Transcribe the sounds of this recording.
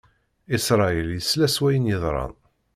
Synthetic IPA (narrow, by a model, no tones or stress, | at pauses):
isɾˤɑiljəslæswæjənjəðˤɾˤɑ̰n